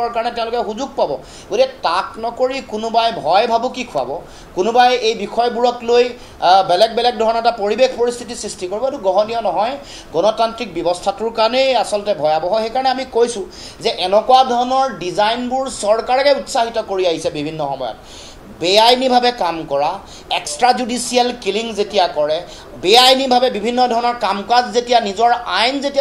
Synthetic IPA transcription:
ɔɹkaɹɔnɛtɛ̃ʊ̃lʊkɛxuzuɡ̚pabɔ | ɡotikɛtaknɔkoɹikʊnʊbajbʱɔjbʱabukikʰʊa̰bɔ | kʊnʊbajejbixʰɔjbuɹɔkloj | bɛlɛk̚bɛlɛk̚dʱɔɹɔnɔɛtapoɹibekʰpoɹist̪ʰitisɹistʰikoɹibɔetuɡɔɦɔniɔnɔɦɔj | ɡɔnɔtantɹik̚bjɔbɔstʰatʊɹkaɹnɛasɔltɛbʱɔjabɔɦɔxejkaɹɔnɛamikojsʊ̃ | zɛʔɛnɛkuwadʱɔɹɔnɔɹdizajnbʊɹsɔɹkaɹɛkɛutsaɦitɔkoɹiaɦisɛbibʱinːɔxɔ̰mɔ̰jɔ̰t̚ | beajnibʱabɛkamkɔɹa | ɛkstɹazudisiɛlkiliŋzetijakɔɹɛ | beajnibʱabɛbibʱinːɔdʱɔɹɔnɔɹkamkazzetijanizɔɹajnzetia

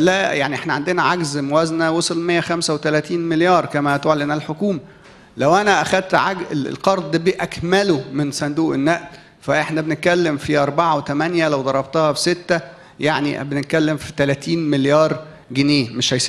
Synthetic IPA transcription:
læjaʕniʔeħnæʕand̪enæʕaɡzmowæznæwosˤolmejːæxæmsæwet̪ælæːt̪iːnmeljɑːɾˤkæmæt̪oʕlenælħokuːmæ | læwʔænæʔæxæd̪̚t̪ʕaɡ̰lqɑɾˤd̪ˤibiʔækmælomensænd̪uːʔenːæʔl | fæʔeħnæbenet̪̚kælːemfiʔɑɾˤbaʕɑwet̪æmænjælæwd̪ˤɑɾˤɑbt̪ɑhɑbe̥set̪ːæ | jaʕnḭbenet̪̚kælːemfit̪ælæːt̪iːnmeljɑːɾˤ | ɡeneːmeʃhæjsi

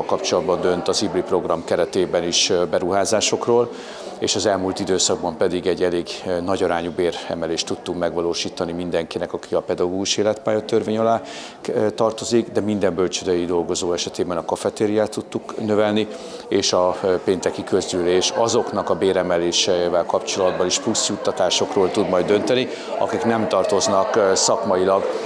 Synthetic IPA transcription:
lkɒpt͡ʃo̞lɒd̪bɒnd̪ø̞nt̪ɒzibripro̞ɡrɒmkɛɾɛt̪eːbɛniʃbɛɾuɦaːzaːʃo̞kroːl | eːʃɒzɛlmuːlt̪id̪øːsɒɡ̚bɒmpɛd̪iɡɛɟːɛleːɡnɒɟɒɾaːɲubeːrɛ̰mɛleːʃt̪ːut̪ːukmɛɡʋɒloːʃiːt̪ɒnimind̪ɛŋkinɛkɒkiɒpɛd̪ɒɡoːɡuʃeːlɛt̪paːjot̪ːørveːɲɒlaː | t̪ɒrt̪o̞ziɡd̪ɛmind̪ɛmbølt͡ʃød̪øjid̪o̞lɡo̞zoːɛʃɛt̪eːbɛnɒkɒfɛt̪eːɾijaːt̪ːut̪ːuknø̞vɛlni | eːʃɒpeːnt̪ɛkikøzd̪yleːʃɒzo̞kn̪ɒkɒbeːɾɛmɛleːʃɛvɛlkɒpt͡ʃo̞lɒd̪bɒniʃplusjut̪ːɒt̪aːʃo̞kroːlt̪ud̪mɒjd̪ø̞nt̪ɛni | ɒ̰kiknɛmt̪ɒrt̪o̞znɒksɒkmɒjilɒɡ

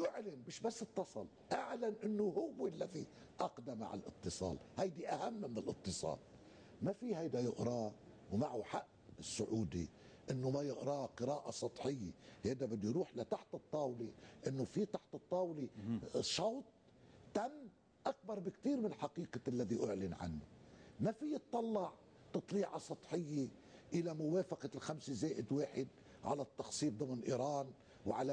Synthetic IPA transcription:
jʊʕlɪmmɪʃbasːɨt̪ˤːɑsˤɑl | ʔaʕlanʔɪnːʊhʊwːɪlːaði | ʔɑqd̪ama̰ʕa̰lʔɨ̰t̪ːɨsˤɑ̰ːlhajd̪iʔahamːmɪnɪlʔɨ̰t̪ːɨsˤɑ̰ːl | mafihajd̪ajʊʔɾˤɑ | wmaʕuħaʔ | ɪsːʊʕuːd̪ḭ | ʔɪnːʊmajʊʔɾɑːqɨɾaːʔasˤɑt̪ˤħɪjːḛheːd̪abɪd̪ːujɾuːħlat̪aħt̪ɨt̪ˤːɑːwliʔɪnːʊfit̪aħt̪ɨt̪ˤːɑːwliʃɑwt̪̚ˤ | t̪amː | ʔak̚bɑɾˤbɪkt̪iːɾmɪnlħɑqiːqɑalːaðiʔʊʕlɪnʕa̰nːʊ̰mafijːɨt̪ˤːɑlːɑʕ | t̪ɨt̪ˤliːʕɑsˤɑt̪ˤħɪjːeʔɪlamʊweːfɑqɑlxamsɪzeːʔɪd̪weːħɪd̪̚ | ʕa̰lat̪ːɑxsˤiːfd̪ˤʊmnlʔḭːɾɑːn | wʕala

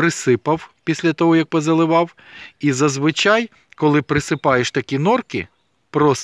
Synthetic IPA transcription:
ɾɪsɪpɐwpʲisʲlʲɐt̪ɔɦɔjɐk̚pɔzɐlˠɪʋɑwizɐzʋɪt͡ʃɑj | kɔlˠɪpɾɪsɪpɑjeʃt̪ɐkʲinɔrkɪ̰ | pɾɔs

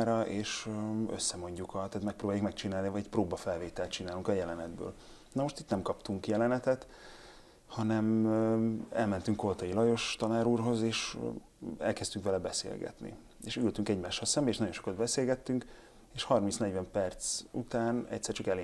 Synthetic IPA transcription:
ɾɒʔeːʃø̰sːɛmo̞ɲɟukʰɒt̪aːt̪mɛkproːbaːjukmɛk̚t͡ʃinaːlnivɒɟɛcproːbɒfɛlveːt̪ɛlt̪t͡ʃinaːluŋkɒjɛlɛnɛd̪bø̰ːl | nɒmo̞ʃt̪it̪nɛmkɒpt̪uŋkjɛlɛnɛt̪ɛt̪ | hɒnɛm | ɛ̰lmɛnt̪yŋkolt̪ɒjilɒjo̞ʃt̪ɒnaːɾuːrɦo̞zeːʃ | ɛ̰lkɛst̪yŋkʋɛlɛbɛsḛːlɡɛ̰t̪nḭ | eːʃylt̪yŋkɛɟmaːʃːɒlsɛmbɛeʃnɒɟo̞nʃo̞kɒd̪bɛseːlɡɛt̪ːyŋk | eːʃhɒrminsnɛɟvɛmpɛrt̪sṵt̪aːnɛ̰ct̪ʲsɛrt͡ʃɒkɛleː

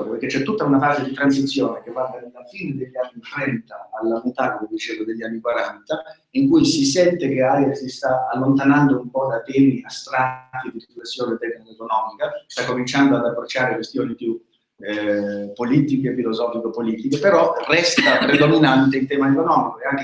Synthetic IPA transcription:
ɾopeɾk̟et͡ʃːɛt̪ːut̪ːaunafaːzed̪it̪ɾansit̪sːjoːnek̟epːart̪ad̪lafiːned̪eʎːanːit̪ɾɛnt̪aːlːamet̪akomed̪it͡ʃeːvod̪eʎːanːikwaɾant̪a | iŋkujsisɛnt̪ekeajessist̪aːlːont̪anand̪oumpɔd̪at̪ɛːmiast̪ɾat̪ːid̪iriflesːjoːnet̪ɛkːnikekonɔːmikast̪akːomint͡ʃand̪oad̪apːɾot͡ʃːaːɾekwest̪joːnipju | pːoliːt̪ikefilozɔːfikeopːoliːt̪ikepeɾɔrɛst̪apɾed̪ominant̪eilt̪ɛːmaekonɔːmikoeaŋke

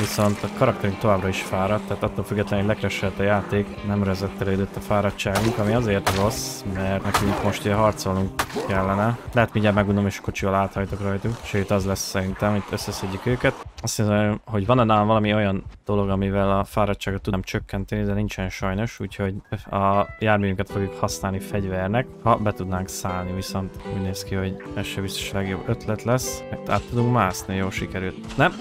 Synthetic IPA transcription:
viso̞nt̪ɒkɒɾɒkt̪ɛɾyŋk̚t̪o̞vaːbrɒiʃfaːɾɒt̪ːaɦːt̪ɒt̪ːolfyɡːɛt̪lɛnoɟlɛkɾɛʃɛlt̪ɒjaːt̪eːknɛmrɛɛzɛt̪ːɛleːd̪øt̪ːɒfaːɾɒt͡ʃːaːɡuŋkɒmiɒzeːrt̪ro̞smɛrt̪nɛkyŋkmo̞ʃt̪eɦɒrt̪so̞lnuŋkkɛlːɛnɛlɛɦɛt̪miɲɟaːlmɛɡund̪o̞meːʃko̞t͡ʃivɒlaːt̪hɒjt̪okrɒjt̪ukʃøːt̪ɒzlɛsːɛɾint̪ɛmit̪ːø̞sːɛsɛɟːykøːkɛt̪ɒst̪iho̞ɟvɒnɛnalaːnvɒlɒmio̞jɒnd̪̥o̞lo̞ɡɒmivɛlɒfaːɾɒct͡ʃːaːɡot̪ːumt͡ʃøkːɛnt̪ɛnid̪ɛnint͡ʃɛnʃɒjno̞ʃuːcho̞ɟɒjaːɾmejyŋkɛt̪fo̞ɡjukhɒsnaːlnifɛɟvɛrnɛkhɒbɛt̪ud̪naːŋksaːlniviso̞nt̪ṵːɟneːskiho̞ɟɛʃɛbist̪o̥ʃlɛɡjo̞bːø̞t̪lɛt̪lɛsmɛkt̪a̰ːt̪ːud̪uŋkmaːsnijoːlʃikɛɾylt̪nɛm

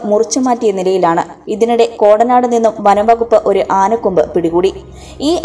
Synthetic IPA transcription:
murɨt͡ɕːumaːtːijɐnilɐjilaːɳɨ | iðinuɽe̞ko̞ːɽɐnaːɽɨninːumʋɐnɐʋɐɣupːɨʔo̞ɾuʔaːnɐkːumbɨpiɽiɣuːɽi | iːʔ

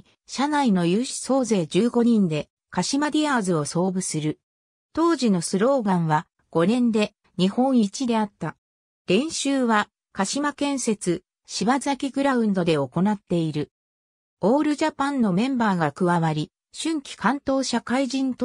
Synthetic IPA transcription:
ɕanaino̞jɯːɕi̥so̞ːze̞ːd͡ʑɨːɡo̞ɲ̟ĩnd̪e̞ | kaɕimad̪ʲiaːzɨo̞so̞ːbɯ̟sɨɾɯ̟ | t̪o̞ːʑino̞sɨɾo̞ːɡãɰ̃βa | ɡ̥o̞nẽ̞nd̪e̞ | ɲ̟ihõ̞ɰ̃it͡ɕid̪e̞at̪ːa | ɾẽ̞ɰ̃ɕɨːβa | kaɕimakẽ̞ɰ̃se̞t͡sɨ | ɕibazakʲiɡɯ̟ɾaɯ̟̃nd̪o̞d̪e̞o̞ko̞nat̪ːe̞iɾɯ̟ | o̞ːɾɯ̟ʑapãnːo̞mẽ̞mbaːɡakɯ̟βaβaɾʲi | ɕɨ̃ŋkʲi̥kʰãnt̪o̞ːɕakaiʑĩnt̪o

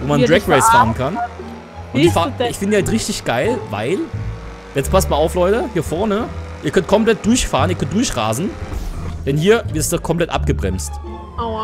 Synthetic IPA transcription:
voːmandʁɛkʁɛɪsfaːʁən̩kʰan | ʔʊnd̥ifaːɪçfɪndəːhaltʁɪçtɪçɡ̥aɪlva̰ɪl | jɛt͡stpʰastmaɐʔaʊflɔʏtəhiːɐfɔɐnəʔiːɐkʰœnt̚kʰɔmplɛt̚d̥ʊɐçfaːʁən̩ʔiːkʰœntd̥ʊɐçʁa̰ːzn̩ | d̥ɛnhiːɐvɪɐtstd̥ɔkʰɔmpʰl̥ɛtʔap̚ɡ̥əbʁɛ̰mst

